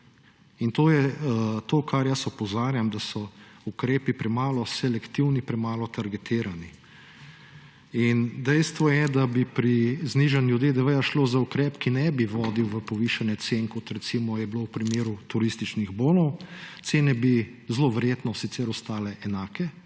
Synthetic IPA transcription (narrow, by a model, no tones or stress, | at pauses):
int̪oːjɛt̪okaɾjəsɔpɔzaːɾjamd̪asɔukɾeːpipɾɛmaːlɔsɛlɛkt̪iwnipɾɛmaːlɔt̪aɾɡɛt̪iːɾani | ind̪ɛjst̪ʋɔjɛd̪abipɾizniʒanljud̪jeːd̪əʋəjaʃloːzaukɾɛːpkinɛbiʋɔːd̪iwʋəpɔʋiʃanjɛt̪senkɔt̪ɾɛt̪simɔjɛblowpɾimeːɾut̪uɾist̪it͡ʃniɣboːnɔw̪seːnɛbizloʋɛɾjeːt̪nɔsit̪sɛɾɔst̪aːlɛʔɛnaːkɛ